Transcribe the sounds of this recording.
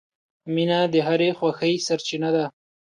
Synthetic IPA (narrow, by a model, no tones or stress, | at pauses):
minad̪əɦaɾexwaxəjsaɾt͡ʃinad̪a